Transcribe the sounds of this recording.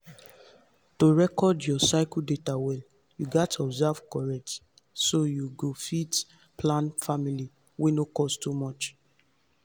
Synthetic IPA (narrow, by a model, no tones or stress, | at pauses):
toɹɛkɔdjɔsaɪkldetawɛl | juɡɛtʰɔbzɛv̥kɔɹɛk̚t | sojuɡofit | plãnfamili | wenokɔstumɔt͡ʃ